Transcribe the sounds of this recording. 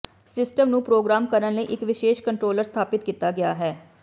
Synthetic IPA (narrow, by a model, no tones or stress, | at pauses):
sɪsʈəmnũːpɾoːɡɾaːmkəɾənləiːʔɪkʋɪʃeːʃkəɳʈɾoːləɾst̪ʰaːpɪt̪̚kiːt̪aːɡɪja̰ːɦɛː